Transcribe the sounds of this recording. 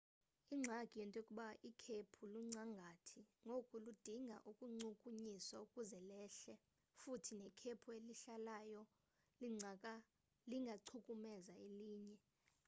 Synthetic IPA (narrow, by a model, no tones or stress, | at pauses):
iŋ͡ǀʱaɡ̥ʼʱijɛntʼokʼuɓaʔikʰepʰuluŋ͡ǀaŋɡʱatʰiŋokʼulud̥ʱiŋʱa̰ʔukʼuŋ͡ǀukʼuɲiswaukʼuzɛlɛːɬɛ | futʰinɛkʰepʰueliɬalajɔ | liŋɡʱaǀʰukʼumɛzaeliːɲɛ